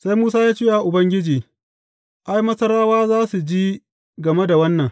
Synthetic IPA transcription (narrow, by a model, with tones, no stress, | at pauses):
sa˦jmuː˦saː˦jaː˦t͡ʃiː˦ʔa˨ʔʊ˨bɐ˦ŋɡʲɪ˦d͡ʒiː˨ | ʔa˦jmɐ˦sɐ˦ɾaː˦waː˦zaː˦su˨d͡ʒiː˦ | ɡɐ˨me˦da˨wɐ˦nːɐ˨ŋ